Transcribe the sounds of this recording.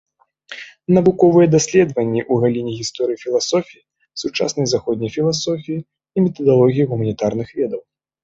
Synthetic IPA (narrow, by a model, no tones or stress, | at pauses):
nɐvukɔvɨjɛd̪asʲlʲɛd̪vɐnʲːiʔuɣalʲinʲiɣʲist̪ɔɾɨjifʲilˠasɔfʲiji | sut͡ʂa̰snɐjzaxɔd̪nʲɐjfʲilˠasɔfʲijiː | mʲɛt̪ɐd̪alˠɔɣʲijiɣumɐnʲit̪arnɨxvʲɛd̪ɐw